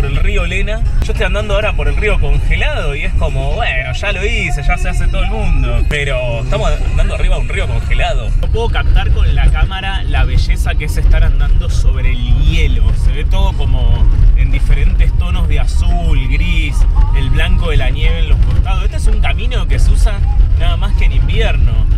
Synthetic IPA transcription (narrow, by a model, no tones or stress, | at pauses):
poɾelriolenaʒoeht̪ojand̪and̪oaoɾapoɾelrio̞ko̞ŋxelað̞oiehsko̞moβweno̞ʃalo̞ise̞ʒaseaset̪oðoelmũnd̪opeɾo | eht̪amosa̰nd̪and̪oariβaunrio̞ko̞ŋxelað̞o̞opweðokap̚t̪aɾko̞nlakamaɾa | laβ̞eʃesakeesest̪aɾand̪and̪o̞soβɾeːljeloseβet̪oð̞oko̞moend̪ifeɾe̞nt̪est̪o̞no̞zðeasulɣɾiselβlaŋkoðelanjeβenlohkost̪aðseht̪oesuŋkamĩno̞keseusanaðamaskeenimbjeɾno̞